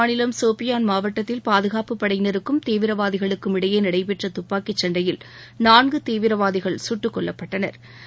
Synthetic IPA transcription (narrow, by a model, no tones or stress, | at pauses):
nɪlɐmsoːpɪjaːnmaːʋɐʈːɐt̪ːɪlpaːðɯɣaːpɯpːɐɽɐjɪnɐɾɯkːɯmt̪eːʋɪɾɐʋaːðɪɣɐɭɯkːɯmɪɽɐjeːnɪɽɐɪpɛʈrɐt̪ʊpːaːkit͡ʃːɐɳɖrɐjɪl | naːnɡɯt̪eːʋɪɾɐʋaːðɪɣɐɭsʊʈːɯkːɔɭːɐpːɐʈːɐnɐ̰ɾ